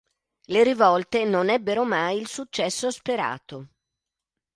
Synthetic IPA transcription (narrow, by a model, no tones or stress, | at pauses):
leɾivɔlt̪enonɛbːeɾomajilsut͡ʃːɛsːospeɾa̰ːt̪o